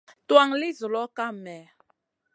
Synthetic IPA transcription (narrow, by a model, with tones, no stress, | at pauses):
twa˦ŋli˦zo˨lɔ˦ka˦mɛ˨